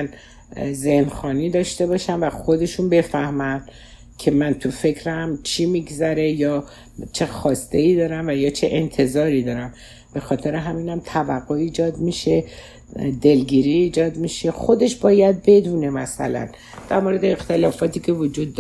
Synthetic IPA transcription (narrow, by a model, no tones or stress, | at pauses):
n | ze̞hnxɒːniːd̪ɒːʃt̪e̞bɒːʃænvæxo̞d̪e̞ʃunbe̞fæhmæn | kʰe̞mænt̪ʰufe̞kʰɾæmt͡ʃʰiːmiːɡzæɾe̞jɒː | t͡ʃʰe̞xɒːst̪e̞iːd̪ɒːɾæmvæjɒːt͡ʃʰeʔent̪ʰe̞zɒːɾiːd̪ɒːɾæm | b̥e̞xɒːt̪ʰe̞ɾeɦæmiːnæmt̪ʰævæɣːoiːd͡ʒɒːd̪miʃe̞ | d̪e̞lɡiːɾiːd͡ʒɒːd̪miʃe̞xo̞d̪e̞ʃbɒːjæd̪̚be̞d̪uːne̞mæsæ̰læ̰n | d̪̥æɾmo̞ɾe̞d̪eext̪e̞lɒːfɒːt̪ʰiːcʰe̞vod͡ʒuːd̪ː